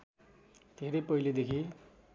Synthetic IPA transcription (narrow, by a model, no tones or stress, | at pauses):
d̪ʱeɾʌjpʌiled̪ekʰi